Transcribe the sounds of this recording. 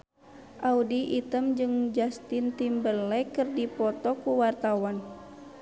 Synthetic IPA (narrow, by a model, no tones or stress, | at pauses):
ʔaudiʔit̪əmd͡ʒɨŋd͡ʒast̪int̪imbəlːɛkɨrdipɔt̪ɔkuwart̪awan